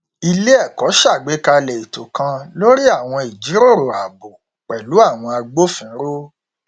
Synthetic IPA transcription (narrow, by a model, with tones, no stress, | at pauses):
i˧le˦ɛ˦˨kɔ˨˦ʃa˦˨ɡ͡be˨˦ka˧lɛ˨i˨to˨kã˧lo˦ɾi˦a˦˨w̃ɔ̃˧i˨d͡ʒi˨˦ɾo˦˨ɾo˨a˨bo˨ | k͡pɛ˨lu˨˦a˦˨w̃ɔ̃˧a˧ɡ͡bo˦fĩ˨˦ɾo˦